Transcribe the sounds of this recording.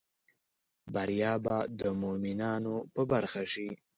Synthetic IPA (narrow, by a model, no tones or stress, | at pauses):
baɾjɑːbad̪əmominɑnopəbaɾxaʂi